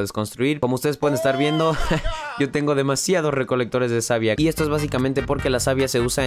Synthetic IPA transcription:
ðesko̞nst̪ɾuiɾkomoust̪e̞ðspweðenest̪aɾβje̞nd̪o̞ʝo̞t̪e̞ŋɡo̞ðe̞masjað̞o̞sre̞ko̞lek̚t̪o̞ɾe̞zðesaβjaiest̪oezβas̬ikament̪e̞po̞ɾke̞lasaβjase̞usa

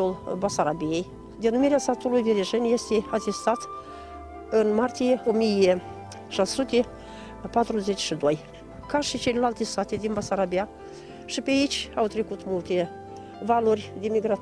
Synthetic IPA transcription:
ulbasaɾabijej | d̪e̞numiɾeast̪at̪ulujd̪eɾeʒɨnʲjest̪eat̪est̪at̪ | ɨnmart̪ijeomije | ʃasut̪e | pat̪ɾuzet͡ʃʲʃid̪oj | kaʃit͡ʃelelalt̪est̪at̪ed̪inbasaɾabia | ʃipeait͡ʃʲawt̪ɾe̞kut̪mult̪e̞ | valorʲd̪emiɡɾa

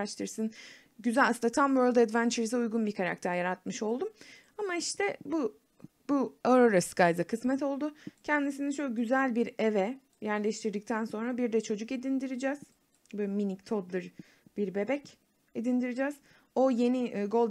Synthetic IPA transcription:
aʃt̪ʰɯɾsɯn | ɟyzælʲasɯnd̪at̪ʰamvøɾlˠd̪æd̪vænt͡ʃʰɛɾzɛujɡunbikʰaɾa̰kt̪ʰæɾjaɾat̪̚mɯʃo̞lˠd̪um | amaiʃt̪ʰɛbu | buaɾoɾaskajd̪akʰɯsmɛt̪o̞lˠd̪ʊcʰɛnd̪isinit͡ʃʰokɟyzælʲbiɾevɛ | jæɾlʲɛʃt̪ʰiɾd̪ic̚t̪ʰænso̞nɾabiɾd̪ɛt͡ʃʰo̞d͡ʒuke̞d̪ind̪iɾid͡ʒɛːz̥ | bøminict̪ʰod̪lˠɯɾ | b̥iɾbe̞bɛc | ed̪ind̪iɾid͡ʒɛːz | o̞je̞niɡo̞lˠd̪

